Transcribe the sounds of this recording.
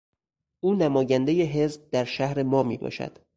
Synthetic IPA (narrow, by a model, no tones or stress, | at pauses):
ʔuːnæmɒːjænd̪e̞jeɦe̞zb̚d̪æɾʃæhɾe̞mɒːmiːbɒ̰ːʃæ̰d̪̥